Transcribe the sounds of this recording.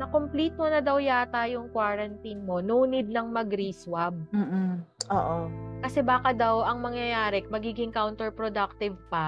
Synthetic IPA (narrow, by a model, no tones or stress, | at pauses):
nɐkompliːt̪̚monɐd̪ɐwjaːt̪ajoŋkwaɾɐnt̪inmo̞nuʔunɪd̪̚nɐŋmɐɡɾiːswab̚m̩ːʔm̩ʔoːʔokɐsɛbaːkɐd̪awʔɐŋmɐŋjɐjaːɾɛmɐɡiːɡɪŋkawnt̪ɛɹpɾod̪ak̚t̪ɪvpɐ